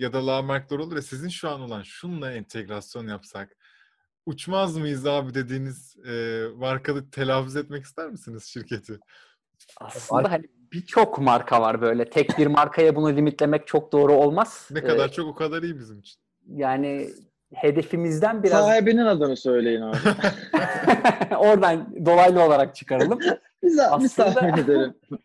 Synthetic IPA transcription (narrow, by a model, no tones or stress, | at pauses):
jad̪alˠaːmaɾk̚d̪ˠoɾouɾɛsizinʃuano̞lˠanʃunlˠaɛnt̪ʰeɡɾasjo̞njapsak | ut͡ʃmazmɯjɯzaːbid̪e̞d̪iːniz̥ɛːmaɾkʰalˠɯt̪ʰe̞lʲaːfyzɛt̪mɛci̥st̪ʰæɾmɯsiniz̥ʃiɾcʰe̞t̪ʰɪ | a̰slɯd̪aɦani | b̥it͡ʃʰo̞kmaɾkʰavaɾbø̞jlʲɛt̪ʰɛc̚biɾmaɾkʰajabunulʲimit̪lʲe̞mɛc̚t͡ʃʰo̞k̚d̪o̞ːɾuo̞lˠmaz̥nɛkaaɾt͡ʃʰo̞kokʰad̪aɾijibizimit͡ʃʰi̥n | jaːni | he̞d̪e̞fimizd̪ænbiɾaabeninad̪ɯnɯsø̞jlʲe̞jinaːa | o̞ɾd̪and̪o̞lˠajlˠɯo̞lˠaɾak̚t͡ʃʰɯ̥kʰaɾlˠɯm | izaailad̪aeed̪eɾim